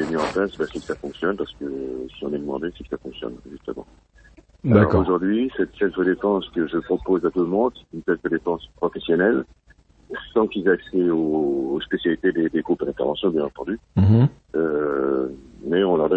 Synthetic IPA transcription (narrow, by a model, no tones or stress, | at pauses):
emiɑ̃plasbɛsɛkə̥safɔ̃ksjɔnpaʁsə̥kəsiɔ̃nɛd̪əmɑ̃d̪esɛkə̥safɔ̃ksjɔ̰nʒyst̪əmɑ̰̃ | alaɔ̰ʁoʒuʁd̪ɥisɛt̪sɛt̪ʁəd̪epɑ̃skəʒəpχɔpozat̪ulmɔ̃d̪sɛ̥t̪ynsɛtʁəd̪epɑ̃spχɔfesjɔnɛl | sɑ̃kizaksɛoːspesjalit̪ed̪ed̪eɡʁupd̪ɛ̃t̪ɛʁvɑ̃sjɔ̃bjɛ̃nɑ̃t̪ɑ̃d̪y | ø | mɛɔ̃lɔʁd̪ɛ